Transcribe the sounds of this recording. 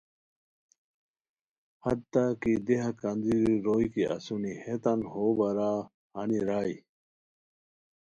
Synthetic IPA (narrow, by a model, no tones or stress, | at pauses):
hɐd̪t̪akid̪eɦɐkɐnd̪iɾiɾoːikiʔɐ̰sunihet̪ɐnhoːbɐɾaː | hɐniɾaːi